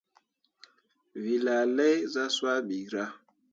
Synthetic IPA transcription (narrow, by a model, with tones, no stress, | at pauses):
vi˨la˨le˦jza˦swa˦ɓi˨ɾa˦